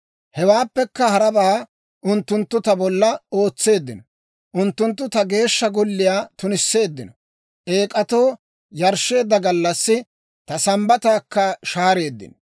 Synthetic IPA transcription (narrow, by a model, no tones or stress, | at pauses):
hɛwaːpːɛkːɐhɐɾɐbaː | ʔʊnt̪ːʊnt̪ːʊt̪ɐbɔlːɐo̞ːt͡sːe̞ːd̪ːɪnɔ | ʔʊnt̪ːʊnt̪ːʊt̪ɐɡe̞ːʃːɐɡɔlːɪjaːt̪ʊnɪsːe̞ːd̪ːɪnɔ | ʔe̞ːkʼɐt̪o̞ː | jɐɾʃe̞ːd̪ːɐɡɐlːɐsːɪ | t̪ɐsɐmbɐt̪aːkːɐʃaːɾe̞ːd̪ːɪ̰n